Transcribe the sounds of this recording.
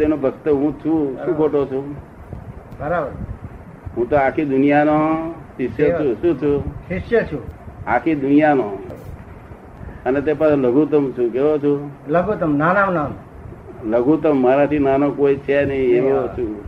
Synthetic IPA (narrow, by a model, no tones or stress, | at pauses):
t̪enobʱəkt̪əɦũt͡ʃʰũʃũːkʰoʈot͡ʃʰũ | bəɾaʋ | ɦũt̪oakʰid̪ʊnijanosɪʃjət͡ʃʰuʃũt͡ʃʰusɪsjət͡ʃʰuakʰid̪ʊnijano | ənet̪̬epaseləɡut̪əmt͡ʃʰũkeʋot͡ʃʰuləɡut̪əmnanamnan | ləɡut̪əmːaɾãt̪ʰinanokoit͡ʃʰenəɦĩeʋot͡ʃʰũ